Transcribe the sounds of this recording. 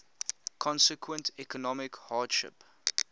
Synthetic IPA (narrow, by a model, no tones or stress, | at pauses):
kʰɔ̃nsəkʰwə̃ntɛkɔnɔmɪkhaːdʃɪ̰p